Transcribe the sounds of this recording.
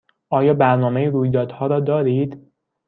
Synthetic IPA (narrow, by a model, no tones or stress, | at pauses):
ʔɒːjɒːbæɾnɒːmejiɾuːjd̪ɒːd̪̥hɒːɾɒːd̪ɒːɾiːd̪̥